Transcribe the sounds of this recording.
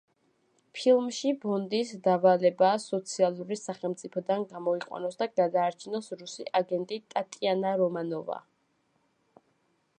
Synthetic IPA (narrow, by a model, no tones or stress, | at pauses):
pʰilˠmʃibɔnd̪isd̪avalɛbaːsɔt̪sʰialˠuɾisaχɛlˠmt̪sʼipʰɔd̪anɡamɔiqʼwa̰nɔsd̪aɡad̪aːɾt͡ʃʰinɔsɾusiʔaɡɛnt̪ʼit̪ʼat̪ʼianaɾɔmanɔva̰